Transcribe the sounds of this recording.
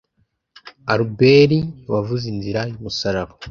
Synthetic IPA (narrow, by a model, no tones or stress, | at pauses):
aɾubeɾiwavuzinziɾajumusaɾaβa